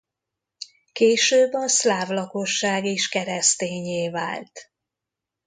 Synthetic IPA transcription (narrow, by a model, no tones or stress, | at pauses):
keːʃøːbɒslaːvlɒko̞ʃːaːɡiʃkɛɾɛst̪eːɲeːva̰ːlt̪